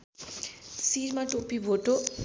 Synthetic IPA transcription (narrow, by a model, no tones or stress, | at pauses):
siɾmãʈopibʱoʈo